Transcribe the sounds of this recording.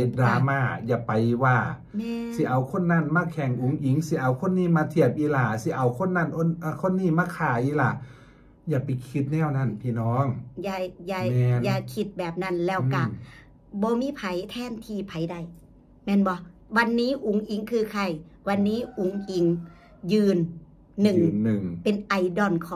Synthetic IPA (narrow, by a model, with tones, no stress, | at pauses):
e˧˦t̪̚daː˨˧˦maː˧˥˩jaː˧˩pa˨jwaː˧˩ | mː˧si˧˦ʔa˨˧˦wkʰo˧˥˨nːa˧˥˨nmaː˧˥˨kʰɛ˨˧˩ŋʔu˨˦ŋʔi˨˦ŋsi˧˦ʔa˧˩wkʰo˧˥˨nːiː˧˥˨maː˧˥t̪ʰi˧˩ɐp̚ʔiː˧˥laː˧˩si˧˦ʔa˧˦wkʰo˧˥˨nːa˧˥˨nʔo˧˥˨nʔːkʰo˧˥˨nːiː˧˥˨maː˧˥˨kʰaː˧˩ʔiː˧˥˨laː˧˩˦ | jaː˧˩pa˨jkʰi˧˥t̪̚nɛː˧˩˨wna˧˥˩npʰiː˧˨nɔː˧˥˨ŋjaː˧˩jaː˧mɛː˧˥˨njaː˧˩kʰi˧˩t̪̚bɛː˨˩p̚na˧˥˨nlɛː˧˥˩wka˧˩ | bɔː˧˦miː˧˥˨pʰa˨˦jt̪ʰɛː˧˥˨nt̪ʰiː˧˩pʰa˨˦jda˧˩˨j | mɛː˧˥˨nbɔ˧˦wa˧nːiː˦˥˨ʔu˨˦ŋʔi˨˦ŋkʰɯː˧kʰa˧˩j | wa˧nːiː˧˥˨ʔu˨˦ŋʔi˨˦ŋ | jɯː˧nː | ɯ˨˩˨ŋɯ˨˩ŋpe˧˨nʔa˧˩jdɔ˧˨nkʰɔː˧˦